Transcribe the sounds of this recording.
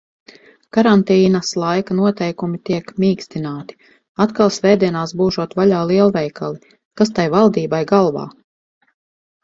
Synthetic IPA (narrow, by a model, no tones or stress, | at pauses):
kaɾant̪iːnɐslˠajkanuɔt̪ɛjkumit̪iɛkmiːkst̪inaːt̪i̥ | at̪kalˠsvɛːd̪iɛnaːsbuːʒuɔt̪vaʎaːlˠiɛlˠvɛjkʰalˠi | kas̬t̪ajvalˠd̪iːbajɡalˠva̰ː